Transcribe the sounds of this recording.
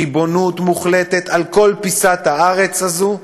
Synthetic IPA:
ibo̞nutmuχlet̪et̪alko̞lpisat̪haaʁet͡sazu

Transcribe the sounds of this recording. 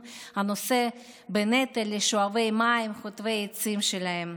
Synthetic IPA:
hanose̞ | benet̪elːeʃoave̞jmaimχot̪vejet͡simʃelaɦe̞m

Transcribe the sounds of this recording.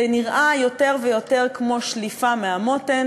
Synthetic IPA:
eniʁʔajo̞te̞ʁvejo̞te̞ʁkmo̞ʃlifameamoten

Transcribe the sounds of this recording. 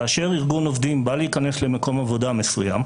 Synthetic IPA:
aːʃe̞ʁiʁɡuno̞vd̪imbaleikane̞sle̞meko̞mavo̞dame̞suja̰m

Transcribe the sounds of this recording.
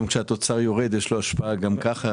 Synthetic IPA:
mkʃeat̪o̞t͡saʁjo̞ʁe̞d̪jeʃlo̞aʃpaaɡamkaχa

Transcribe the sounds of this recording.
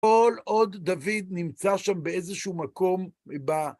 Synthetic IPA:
olod̪ːavid̪nimt͡saʃambeezeʃuumako̞mba

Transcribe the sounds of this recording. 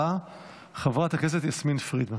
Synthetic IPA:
a | χavʁat̪akes̬etjasminfʁid̪ma

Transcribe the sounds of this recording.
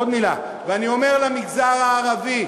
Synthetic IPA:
od̪mila̰ | veanio̞meʁlamiɡzaʁaːʁavi

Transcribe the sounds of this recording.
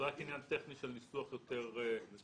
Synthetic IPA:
ʁakinjant̪eχniʃelnisuaχjo̞t̪eʁ

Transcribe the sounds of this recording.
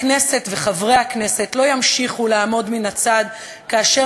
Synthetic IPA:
kne̞se̞tveχavʁejhakne̞se̞tlo̞jamʃiχuleamo̞dminat͡sad̪ | kaːʃe

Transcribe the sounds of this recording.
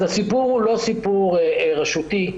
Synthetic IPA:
asipuʁhulo̞sipuʁeʁaʃut̪i

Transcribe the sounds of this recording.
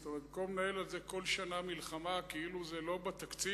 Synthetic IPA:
st̪omeʁt̪̚komnaelalzeko̞lʃanamilχamakeiluzelo̞bet̪akt͡si

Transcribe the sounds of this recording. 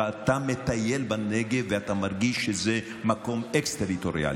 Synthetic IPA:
at̪amet̪ajelbaneɡeveat̪amaʁɡiʃːeze | mako̞mekst̪eʁit̪oʁḭa̰l

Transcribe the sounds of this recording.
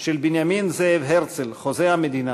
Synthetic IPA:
ʃelbinjaminzeevɦeʁt͡selχozeamed̪ina

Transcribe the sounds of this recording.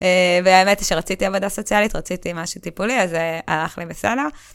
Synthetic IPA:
eveaemetʃeʁat͡sitiavod̪aso̞t͡sialit̪ʁat͡sit̪imaʃut̪ipuliazealaχlibeseda

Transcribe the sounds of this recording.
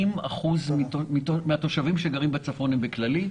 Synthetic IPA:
ima̰χuzmitomitomeat̪o̞ʃavimʃeɡaʁimbet͡safonembeklali

